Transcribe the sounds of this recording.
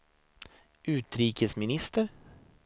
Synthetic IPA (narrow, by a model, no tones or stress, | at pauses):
ʉ̟ːt̪ɾiːkəsmɪnɪst̪əɾ